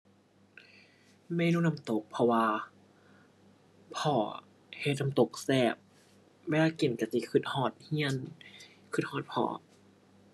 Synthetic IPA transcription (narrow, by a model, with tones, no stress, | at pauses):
ma˧˩˨jnuː˧˨na˧mt̪o˨˦k̚pʰɔ˧waː˧ | pʰɔː˧˩˦ | he˧˩t̪̚na˧mt̪o˨˩k̚sɛː˧˩p̚ | weː˧laː˧˩ke˨˩nka˧˩si˧˩˦kʰɯ˧˩t̪̚hɔː˧˩t̪̚hi˧˥ən | kʰɯ˧˩t̪̚hɔː˧˩t̪̚pʰɔ̰ː˨˩˦